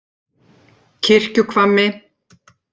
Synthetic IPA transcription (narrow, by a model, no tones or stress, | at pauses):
cʰɪr̥cʏkʰvamːɪ